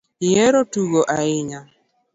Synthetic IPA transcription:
ɪɛɾotuɡoʔaɪɲa

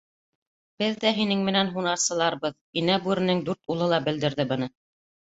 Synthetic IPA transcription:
b̥ɘðːæɦinɘŋmɘ̆nænɦunɑɾsɤ̆lˠɑɾbɤð | inæbʉɾɘ̆nɘŋd̪ʉɾt̪ulˠɤlˠɑbɘ̆ld̪ɘ̆ɾðɘbɤ̆nɤ

